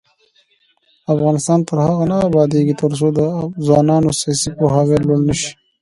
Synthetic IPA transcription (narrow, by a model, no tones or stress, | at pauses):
afɣɑːnɪst̪ɑːnt̪əɾhaɣanaːbɑːd̪eɡit̪əɾs̬od̪əzwɑːnɑːnosijɑsipoɦɑweloɽnəʃi̥